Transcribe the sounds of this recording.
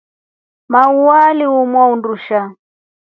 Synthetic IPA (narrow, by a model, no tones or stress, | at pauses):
mauwaliumwaunduʃa